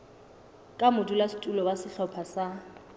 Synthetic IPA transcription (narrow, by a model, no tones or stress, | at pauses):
kʼamʊdulastʼulɔwasɪɬɔpʰasa